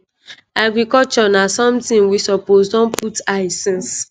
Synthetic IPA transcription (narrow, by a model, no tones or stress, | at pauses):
aɡɹɾikɔlt͡ʃɔnasɔ̃mtĩnwisɔposdɔ̃npʰutaɪsɛ̃ns